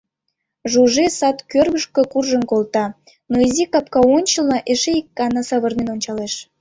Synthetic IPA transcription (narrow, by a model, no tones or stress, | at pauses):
ʒuʒesɑt̪kørβəʃkəkurʒənkolˠt̪ɑ | noizikɑp̚kɑonʲt͡ɕəlnɑʔeʃeikːɑnɑsɑβərnenonʲt͡ɕɑleʃ